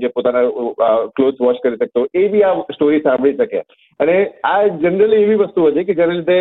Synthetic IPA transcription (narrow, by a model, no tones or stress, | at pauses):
d͡ʒepot̪anaklosʋɔt͡ʃkəɾiʃək̚t̪oʔebʱiasʈoɾisãmbʱɭiʃəkḛ | ənead͡ʒənəɾəlieʋiʋəst̪uɦət̪eked͡ʒjaneɾid̪ʱe